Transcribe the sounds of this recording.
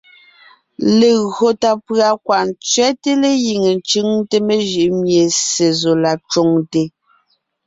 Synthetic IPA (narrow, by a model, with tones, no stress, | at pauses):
le˨ɣo˨ta˨pɰa˨kwa˨nt͡sɥɛ˦te˦le˦ji˨ŋe˨nt͡ʃɯ˦ŋte˦me˦˨ʒi˨ʔmje˨se˨zo˨la˨t͡ʃo˦˨ŋte˨